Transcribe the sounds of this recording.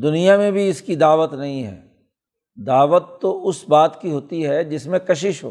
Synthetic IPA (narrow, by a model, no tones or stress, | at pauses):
d̪ʊnijamẽbʱiɪskid̪aːʋət̪nɐɦĩɦɛ̰ː | d̪aːʋət̪ːoʔʊsbaːt̪kiɦoːt̪iɦɛd͡ʒɪsmẽkɐʃɪʃɦo̰ː